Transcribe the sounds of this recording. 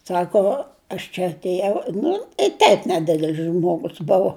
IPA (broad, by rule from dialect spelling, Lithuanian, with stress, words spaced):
ˈsɑːkoː ɐʃ t͡ʃʲɛ ɐtʲeːˈjɛʊ nʊ tʲɛɪ tʲɛɪp nʲɛˈdʲɪdʲɛlʲs ˈʒmoːɡʊs ˈbʊʋoː